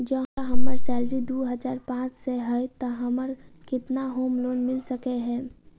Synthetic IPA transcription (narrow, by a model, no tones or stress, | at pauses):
d͡ʒɐɦaɦɐmːəɾsɛːlɾid̪uːɦəzaːɾpãːt͡ʃseɦət̪əɦɐməɾ | kɪt̪naɦoːmloːnmɪlsɐkeɦɛ̃ː